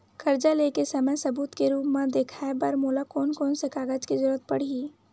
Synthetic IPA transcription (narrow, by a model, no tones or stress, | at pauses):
kɐɾd͡ʒaleːkesɐməjsɐbuːt̪keɾuːpmãd̪eːkʰaebɐɾmoːlakɔːnkɔːnsekaːɡəd͡ʒkezəɾət̪̚pɐɽ̤ii